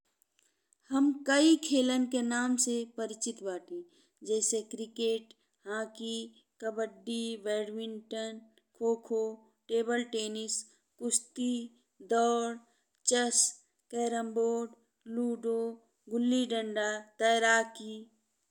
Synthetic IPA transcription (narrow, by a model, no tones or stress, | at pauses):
həmkəikʰeːlənkenaːmsepəɾɪt͡ʃɪt̪baːʈi | d͡ʒɛːsekɾɪkeːʈ | ɦãːki | kəbəɖːiʋɛːɖwɪnʈən | kʰoːkʰo | ʈeːbəlʈeːnɪs | kʊst̪i | d̪ɔːɽ | t͡ʃəs | kɛːɾə̃mboːɖ | luːɖoː | ɡʊlːiɖə̃ɳɖat̪əjɾaːkiː